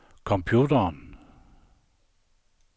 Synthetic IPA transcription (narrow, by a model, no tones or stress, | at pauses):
kʰɔ̃mpʰjuːtɐn